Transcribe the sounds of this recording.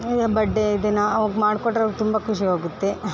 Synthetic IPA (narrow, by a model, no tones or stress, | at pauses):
id̪bɐɖːeid̪enaɐʋɐɡmaːɽkoʈːɾɐːɡt̪umbɐkuʃiɦaːɡut̪ːe